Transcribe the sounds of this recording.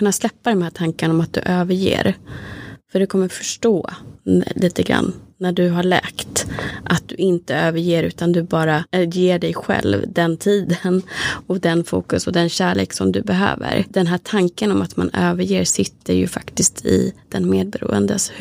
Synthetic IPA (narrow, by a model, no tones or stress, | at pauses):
ɵnːaslɛpːad̪ɛmhæːʈʰaŋkanɔmat̪̚d̪ɵ̰ʔøːvəɾjḛːɾ | fœɖɵkʰɔmːəɾfœ̥ʂʈoː | liːt̪əɡɾa̰nːæɖɵɦaɭɛ̰ːkt̪ʔat̪̚d̪̥ɵɪnt̪əøːvəɾjeːɾʉ̟ːt̪and̪ɵbɑːɾajeːɖɛjɧɛ̰lvd̪ɛnt̪ʰiːd̪ənɔd̪ɛnfuːkɵsɔd̪ɛnɕæːɭeːksɔmd̪ɵbɛɦø̰ːvə̰ɾd̪̥ɛnɦæːʈʰaŋkənɔmat̪ma̰nøːvəɾjeːɾsɪt̪ʰːəɾjɵ̰fa̰kt̪ɪskt̪ʰɪ̰d̪̥ɛnmeːd̪̚bɛɾṵːə̰nd̪əs